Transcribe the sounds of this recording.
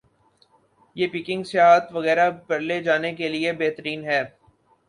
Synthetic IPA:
jeːpiːkɪ̃ŋɡsɪaːɦt̪ʋɐɣɛːɾabɐɾled͡ʒaːnekeliebeːt̪əɾiːnɦɛː

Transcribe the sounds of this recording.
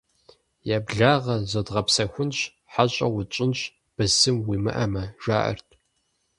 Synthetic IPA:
jaːbɮaːʁɐzodʁɐpsɐxʷʊnɕ | ħaɕʼɐ̰wʊt͡ʃʼɪnɕ | b̥ɨzɨmwimɨ̰ʔɐmɐʒ̥a̰ːʔɐ̰rtʰʼ

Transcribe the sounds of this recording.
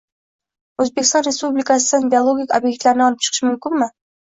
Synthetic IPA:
ɵzbekʲɪst̪ɑnɾe̞spublɪkas̬ɪd̪anbʲeolˠoɡʲikʲobje̞k̚t̪laɾɪnɒlˠɪp̚t͡ʃʰɨ̥qʰʃɪmʊmkʲɪnmɪ

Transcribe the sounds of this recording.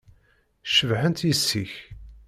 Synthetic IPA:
ʃəvħənt̪jəsːiç

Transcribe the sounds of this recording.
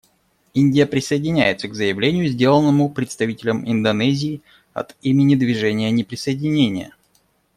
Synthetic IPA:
inʲdʲɪjəpɾʲɪsəɪdʲɪnʲæ̰jɪt̪səɡzəjɪvlʲenʲɪjʊzʲdʲe̞lˠənːəmʊpɾʲɪt̪st̪ɐvʲitʲɪlʲəmɪnd̪ɐnɛzʲɪː | ɐ̰t̪imʲɪnʲɪd̪vʲɪʐɛnʲɪjənʲɪpɾʲɪsəjɪdʲɪnʲenʲɪjə̰

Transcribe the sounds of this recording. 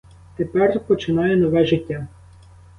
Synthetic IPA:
t̪epɛrpɔt͡ʃɪnɑjɛnɔʋɛʒɪtʲːa

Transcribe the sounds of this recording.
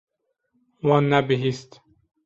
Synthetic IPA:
wɒːnːæbiɦist̪

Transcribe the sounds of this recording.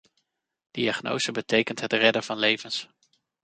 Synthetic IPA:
d̥iɑχno̰wzəbətejkəntɦətrɛdəv̥ɑnlejvəns

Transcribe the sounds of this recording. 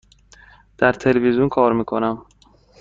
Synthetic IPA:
d̪̥æɾt̪ʰelevizjunkʰɒːɾmiːkʰonæm

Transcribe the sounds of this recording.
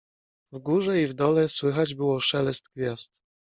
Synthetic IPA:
vɡuʐɛivd̪ɔlɛswɘxad͡ʑbɘwɔʂɛlɛst̪ɡvʲjast̪

